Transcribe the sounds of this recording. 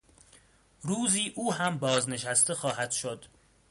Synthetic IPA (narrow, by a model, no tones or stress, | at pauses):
ɾuːziːʔuːɦæmbɒːzne̞ʃæst̪e̞xɒːhæd̪̥ʃod̪̥